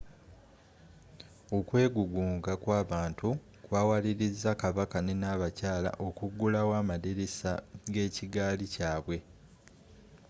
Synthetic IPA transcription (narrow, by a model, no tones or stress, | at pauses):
o̞kwe̞ːɡuɡuːŋɡakwaːβaːntu | kwaːwaliɾizːakaβakanenaːβacaːla̰ʔo̞kuɡːulawaːmadeɾesaɡe̞ːciɡaːlicaːβwe̞